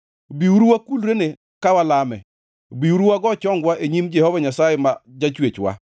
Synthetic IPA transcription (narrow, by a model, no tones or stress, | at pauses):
biuɾuwakulɾene | kawalamɛ | biuɾuwaɡɔt͡ʃɔŋɡwaʔeɲimd͡ʒɛhɔvaɲasajɛmad͡ʒat͡ʃwet͡ʃwa̰